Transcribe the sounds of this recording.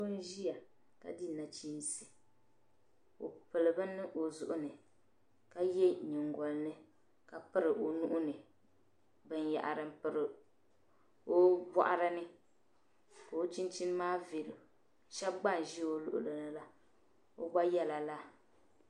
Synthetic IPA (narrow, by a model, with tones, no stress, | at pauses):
o˦n˦ʒi˦ja˨ | ka̰˨di˦˨na˨t͡ʃi˦n˦sɨ̥˨ | o̰˨pɨ˨lɨ˨bɨ˦nːɨ˦ʔo˨zʊ˨ʔʊ˦nɨ˨ | ka˦jɛ˦ɲɪ˨ŋɡɔ˨lnɨ˦ | ka˨pɨ˦ɾɨ˨ʔo˨nʊ˦ʔʊ˦nɨ˨ | bɨ˦n˦ja̰˨ʔa̰˨ɾɨ˦m˦pɨ˨ɾɨ˨ | o˦bɔ̰˦ʔa˦ɾɨ˦nɨ˦ | ka˨o˦t͡ʃi˦nt͡ʃi˦n˦maː˦ve˨ɾɨ˨ | ʃɛ˦b̚ɡ͡ba˦n˨ʒi˦o˦lʊ̰˦ʔʊ̰˨lɨ˨nɨ˦la˦ | o˦ɡ͡ba˦jɛ˦la˨la˦